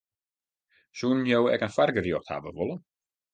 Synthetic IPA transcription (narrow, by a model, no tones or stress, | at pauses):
sunjowɛkənfarɡərjɔxtha̰ʋə̰ʋolˠən